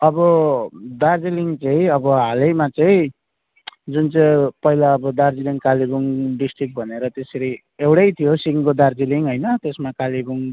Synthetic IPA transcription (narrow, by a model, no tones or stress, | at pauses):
ʌbʌd̪ard͡ziliŋt͡sʌĩʌbʌɦalejmat͡sʌĩ | d͡zunt͡sʌĩpʌɦilaːbʌd̪ard͡ziliŋkalibuŋɖisʈrik̚bʱʌneɾʌt̪eseɾi | ewɽʌjt̪ʰijosiŋkod̪ard͡ziliŋɦojnʌt̪esmakalibuŋ